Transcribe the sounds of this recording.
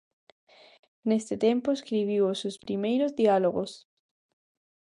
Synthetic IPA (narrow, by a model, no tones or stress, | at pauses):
nest̪et̪ẽmpoeskɾiβ̞iwosospɾimejɾozðialoɣo̰s